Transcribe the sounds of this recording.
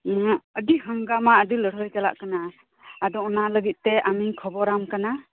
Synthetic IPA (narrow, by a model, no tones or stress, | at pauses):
ədiɦəŋɡamaədiləɾɔjkala̰ʔkanaː | dɔɔnaləɡit̪̚tɛamikʰɔbɔɾamkana